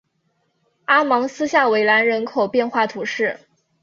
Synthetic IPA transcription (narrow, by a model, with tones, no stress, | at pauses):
a˥mɑ˧˥ŋsɹ̩˥ɕja˥˩we˧˥ɪla˧˥nɻə˧˥nkʰo˨˩ʊpjɛ˥˧nxwa˥˩t̪ʰu˧˥ʂɻ̩˥˩